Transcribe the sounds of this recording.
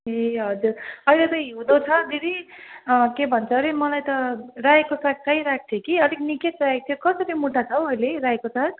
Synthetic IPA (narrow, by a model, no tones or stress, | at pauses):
eɦʌd͡zurʌjlet̪ʌjɦiwd̪ot͡sʰʌd̪iɾi | kebʱʌnt͡sʰʌɾimʌlajt̪ʌrajekosak̚kajɾak̚ʰt̪ʰjekiʌd̪ʱikniketraek̚t̪ʰjokʌsʌɾimuʈʰat͡sʰʌwʌjlerajekosak